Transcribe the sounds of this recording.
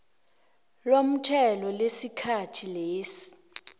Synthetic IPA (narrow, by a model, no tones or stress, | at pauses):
lom̩tʰɛlɔlesikʰatʰileːsi̥